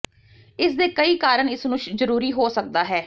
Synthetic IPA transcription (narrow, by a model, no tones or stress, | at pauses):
ɪsd̪eːkəiːkaːɾəɳɪsnũːʃzəɾuːɾiːɦoːsək̚d̪aːɦɛː